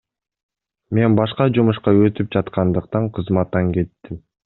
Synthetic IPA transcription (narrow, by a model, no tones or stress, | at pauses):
me̞nbɑʃqɑd͡ʒumuʃqɑøt̪yp̚d͡ʒɑt̪qʰɑnd̪ɯqt̪ɑɴqʰɯzmɑt̪ːɑŋke̞t̪ːim